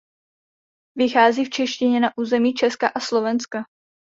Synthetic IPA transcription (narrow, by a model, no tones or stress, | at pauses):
vɪxaːziːft͡ʃɛʃcɪɲɛnaʔuːzɛmiːt͡ʃɛskaʔaslo̞vɛnska